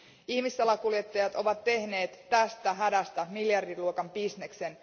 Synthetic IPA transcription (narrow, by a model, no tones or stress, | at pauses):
içmisːɑlːɑkulje̞t̪ːɑjɑt̪o̞ʋɑt̪ːe̞hne̞ːt̪ːæst̪æɦædæst̪ɑmiljɑrdiluokɑmpisne̞kse̞n